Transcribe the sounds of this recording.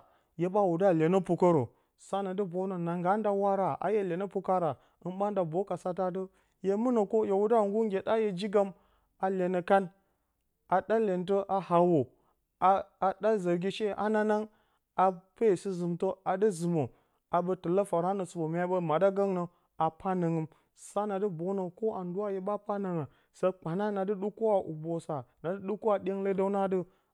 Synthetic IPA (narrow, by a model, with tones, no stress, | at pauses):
je˦ba˦wu˨da˦˨le˨nə˦pu˨kə˦ɾo˨ | sa˦na˨də˦bo˨˦nə˨na˨ŋɡa˦nda˦wa˦ɾa˨a̰˨je˦le˨nə˦pu˦ka˦ɾa˨ | ɨ˦nɓa˦nda˨bo˦ka˨sa˦ta˦t̬ə˦ | je˦mu˦nə˨ko˦je˨wu˦da˦˨ŋɡu˦ŋɡʲe˨da˦je˨d͡ʒi˦ɡa˦m | a˨le˨nə˨ka˦n | a˨ɗa˦lʲe˨nt̬ə˦ʔa˨ha˨wo˨ | a˨a˨ɗa˦zə˨ɾɡʲi˦ʃe˦ʔa̰˦na˦na˦ŋ | a˨pe˦˨sɨ˦zɨ˨mtə˦a˨də˦zɨ˨mo˨ | a˨bə˦tə˨lə˦fa˨ɾa˦nə˨su˨bo˨mʲ˦a˦bə˦ma˨da˦ɡa˦ŋnə˨ | a˨pa˦nə˨ŋɨ˦m | sa˦na˨də˦bo˦no˨ko˦ʔa˨ndu˦a˦je˦ba˦pa˦nə˨ŋa˨ | sə˦k͡pa˨na˦na˨dɨ˦ɗu˦ko˦a˨ʔu˨bo˨sa˨na˨dɨ˦ɗu˦ko˦a˨ɗʲe˦ŋle˦da˦na˦də˦